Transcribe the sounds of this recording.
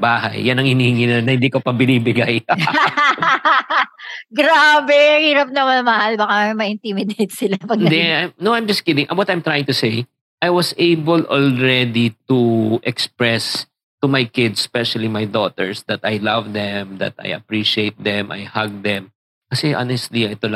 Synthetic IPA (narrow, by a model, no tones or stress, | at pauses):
baːhɐ̰jːɐnɐŋhɪniːhɪŋɪnnːɐhɪnd̪iːkopɐbɪnibɪɡaj | ɡɾaːbɛhiːɾɐp̚nɐmanɐmɐhalbɐkamɐɪnt̪imɪd̪ejt̪̚sɪlapɐɡnd̪ɛajmnowʔãjmd͡ʒɐsɡ̥ɪd̪ɪ̃ŋʔɐwɔt̪ɐjmt̪ɾajɪŋt̪ʊsej | ʔajwɐseɪbɛlʔɔlɹɛd̪it̪uʔɛkspɹɛs | t̪ʊmajkɪd̪sːpɛʃɐlimajd̪ot̪ɛ̰ɹsd̪ɐt̪ajlɐvd̪ɛmd̪ɐ̰t̪a̰jɐ̰pɹiʃiejt̪̚d̪ɛ̃mʔa̰jhɐɡ̚d̪ɛm | kɐsɛʔa̰nɛst̪liɛt̪ol